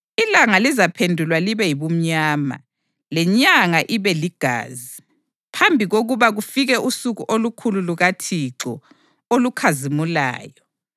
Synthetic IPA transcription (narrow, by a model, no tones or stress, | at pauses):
ilaŋalizapʰendʱulwaliβɛjiβum̩ɲaːma̰ | lɛɲaŋaʔiβɛliɡ̥ʱa̰ːzi | pʰambʱiɣoɣuβaɣufiɣɛʔusuɣuʔolukʰululuɣatʰiǁɔ̰ | olukʰazimula̰ːjɔ